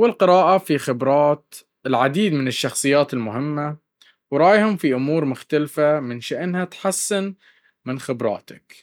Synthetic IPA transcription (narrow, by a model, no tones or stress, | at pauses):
wɪlqɪɾɑːʔafixɪbɾˤɑːt̪ | ɪlʕad̪iːd̪mɪnɪʃːɑxsˤɨjːaːt̪ɪlmʊɦɪmːa | wɾˤɑːjhʊmfiʔʊmuːɾmʊxt̪alfamɪnʃɪʔnhat̪ħasːɪn | mɪnxɪbɾˤɑ̰ːt̪a̰k